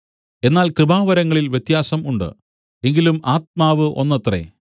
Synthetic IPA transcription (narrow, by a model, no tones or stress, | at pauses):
e̞nːaːlkrɨbaːʋɐɾɐŋːɐɭilʋjet̪jaːsɐmuɳɖɨ̰ | e̞ŋɡilumʔaːt̪̚maːʋɨʔo̞̰nːɐt̪rḛ